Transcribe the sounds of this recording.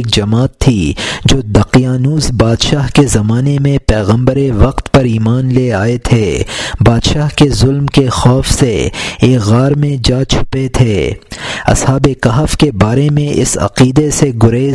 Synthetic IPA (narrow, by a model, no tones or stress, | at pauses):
k̚d͡ʒɐmaːt̪ʰːid͡ʒoːd̪ɐqijaːnuːzbaːd̪ʃaːɦkezɐmaːnemẽpɛːɣə̃mbəɾeʋɐqt̪pɐɾiːmaːnleaːet̪ʰeːbaːd̪ʃaːɦkezʊlmkexɔːfseeːkɣaːɾmẽd͡ʒaːt͡ʃʰʊ̥pet̪ʰeː | ɐ̰shaːbekɐɦəfkebaːɾemẽɪ̰sɐ̰qiːd̪eseɡʊɾeː